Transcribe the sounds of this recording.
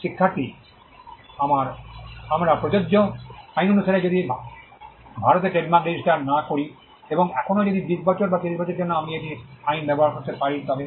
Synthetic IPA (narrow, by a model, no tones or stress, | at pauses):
ʃikʰːat̪i | amaɾamɾapɾod͡ʑod͡ʑːoajnonuʃʰaɾed͡ʑod̪i | bʱaɾot̪eɾʈeɖmakɾed͡ʑiʃʈaɾnakoɾi | eboŋɛkʰonod͡ʑod̪id̪iʃbɔt͡ɕoɾbak̪iɾiʃbɔt͡ɕoɾd͡ʑonːoamieʈiajnbɛboɦaɾkoɾt̪eɾpaɾit̪ɔbe